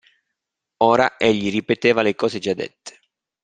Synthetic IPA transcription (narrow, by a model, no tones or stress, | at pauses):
oːɾa̰ʔeʎːiripet̪eːvalekɔːzed͡ʒad̪ːɛ̰t̪ʰːe̥